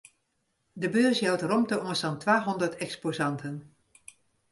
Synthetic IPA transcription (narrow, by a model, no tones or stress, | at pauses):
dəbøːɹsjɑwtrɔmtəʔɔŋəstɑntʋaːɦɔndəɹtɛkspozɑntən